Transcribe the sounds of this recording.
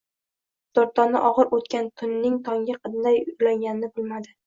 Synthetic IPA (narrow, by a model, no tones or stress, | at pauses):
dt̪oɾt̪ʰːɒna̰ʔɒʁɨɾot̪kʲant̪ʰʊnːɪŋt̪ʰɒŋɡʲaqʰɨd̪najʊlaŋɡʲanɪnɪbʊlˠmad̪ɪ